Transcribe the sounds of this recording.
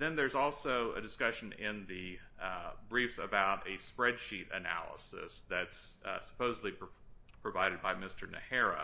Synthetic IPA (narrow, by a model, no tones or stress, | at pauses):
ðɨ̃nðə˞zɔlˠsoʊɨ̰dɨskʌʃɨ̃nɪ̃nðɨ | bɹifsəbaʊɾɨspɹɛd̥ʃiɾɨ̰næ̰lˠə̰sɨ̰sðɨtssə̥pʰoʊzədˡlipʰ | pʰɹ̥ɨvaɪɾɨd̚baɪmɪstə˞nɨ̰hɛɹɨ̰